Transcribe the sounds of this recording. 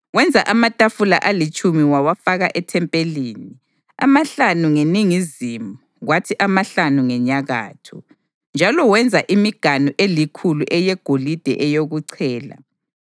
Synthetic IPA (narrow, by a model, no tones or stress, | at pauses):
wɛnd͡zʱaʔamatʼafula̰ʔalit͡ʃʼumiwawafaɣaʔɛtʰɛmpʼeliːni | a̰maɬanuŋeniŋizimuɣwatʰiʔamaɬanuŋɛɲaɣa̰ːtʰṵ | nd͡ʒʱalɔwɛnd͡zʱaʔimiɡ̥ʱanuʔelikʰuluʔɛjɛɡ̥ʱolid̥ʱɛʔɛjoɣuǀʰɛːla̰